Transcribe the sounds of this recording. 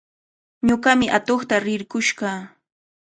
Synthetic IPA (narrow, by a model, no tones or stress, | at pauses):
ɲoɢɑmɪʔat̪oχt̪aɾɪɾkʊʃɢɑː